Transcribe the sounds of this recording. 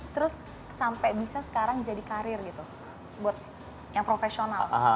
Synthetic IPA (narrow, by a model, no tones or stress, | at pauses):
t̪əɾʊsː | ampɛbisasə̥kaɾaŋd͡ʒadikaɾɪrɡit̪u | buat̪̚ | jaŋpɾofesiona̰laɦa